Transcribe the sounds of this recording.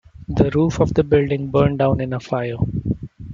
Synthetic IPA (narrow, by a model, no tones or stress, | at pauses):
d̪əɾuːfɔʋd̪əbɪlɖɪ̃ŋbəːɾɳɖãʊ̃nɪ̃nəfaɪəɾ